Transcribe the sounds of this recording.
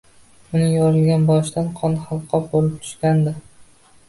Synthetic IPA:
ʊnɪjɒɾɪlɡʲanbɒʃt̪anqʰɒnhɑlˠqʰːɒbolɪp̚t̪ʰʊ̥ʃkʲand̪ɪ

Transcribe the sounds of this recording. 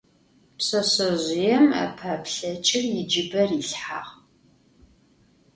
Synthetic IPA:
pɕɐɕɐʑʷɪjɛma̰pʰaːpɬɐt͡ʃʼɪrjɪd͡ʒɪbɐriɬħa̰ːʁ

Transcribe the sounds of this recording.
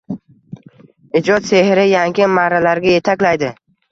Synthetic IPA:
ɪd͡ʒɒt̪se̞hɾɪjaŋɡʲɪmaɾalaɾɡʲaje̞t̪ʰakʲlajd̪ɪ

